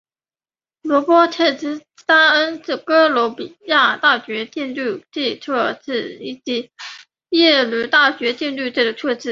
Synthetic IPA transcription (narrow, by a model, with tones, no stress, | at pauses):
lwɔ˧˥pwɔ˥t̪ʰɛ˥˩t͡s̩˥ | ta˥ə˥nʈ͡ʂ̩˥˩kɤ˥lwɔ˧˥pi˨˩ja˥˩t̪a˥˩ɕɥɛ˧˥t͡ɕɛ˥˧nly˥˩ʈ͡ʂi˥˩ʈ͡ʂʰɤ˥˩ʈ͡ʂɻ̩˥˩i˥˩t͡ɕi˧˥ | jɛ˥˩lu˧˥t̪a˥˩ɕɥɛ˧˥t͡ɕɛ˥˧nly˥˧ʈ͡ʂɤ˥˩d̪ə˩ʈ͡ʂʰɤ˥˧ʈ͡ʂɻ̩˥˩